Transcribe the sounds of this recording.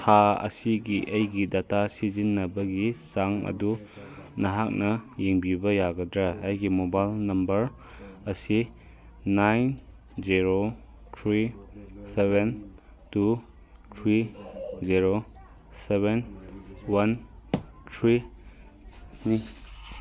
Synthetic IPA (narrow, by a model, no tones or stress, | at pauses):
tʰaɐ̰siɡiʔɐjɡidatasizinːɐbɐɡisaŋɐ̰du | nɐɦak̚nɐjeŋbibɐjaɡɐdɾɐːjɡimobajlnɐmbɐɾ | ɐsiː | ajn | ziɾo | t̪ʰɾiseben | tu | t̪ʰɾiziɾo | seβenwɐn | t̪ʰɾi | ni